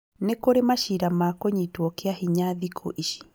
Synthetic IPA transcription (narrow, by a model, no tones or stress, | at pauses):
nekoɾemaʃiɾamakoɲitwɔkeahiɲaðikʰo̰ʔiʃi̥